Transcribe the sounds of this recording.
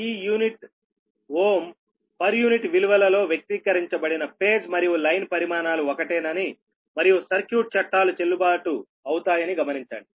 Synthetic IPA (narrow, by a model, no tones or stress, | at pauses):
iːjuːniʈ | woːm | pɐɾjuːniʈʋiluʋɐlɐlo̞ːʋjɐk̚t̪ikɐɾiɲt͡ʃɐbɐɽinɐpe̞ːd͡ʒmɐɾijulɐjnpɐɾimaːnaːluɔkɐʈeːnɐni | mɐɾijusɐɾkjuːʈ̚t͡ʃɐʈːaːlut͡ʃelːubaːʈu | ɐwut̪aːjɐniɡɐmɐniɲt͡ʃa̰ːɳɖi